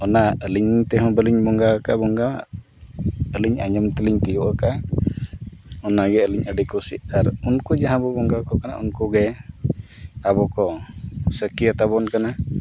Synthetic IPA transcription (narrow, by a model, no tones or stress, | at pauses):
ɔnaəliɲt̪ɛɦɔ̃bəliɲbɔŋɡakaʔbɔŋɡaa̰ | əliɲa̰ɲəmt̪ɛliɲt̪ijuʔəka | ɔnaɡɛəliɲəɖikusḭʔaɾunkud͡ʒaɦãbɔbɔŋɡakɔkana̰ʔunkuɡɛ | abɔkɔsəkijat̪aβɔnkana